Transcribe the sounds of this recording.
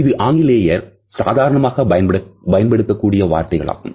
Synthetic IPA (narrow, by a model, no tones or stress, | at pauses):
ɪðɯʔaːŋɡɪleːjɐɾ | sa̰ːðaːɾɐɳɐmaːɣɐɐbɐjɐnpɐɽɯkːɐkːuːɽɪjɐʋa̰ːɾt̪ɐɪɣɐɭa̰ːɣɯ̰m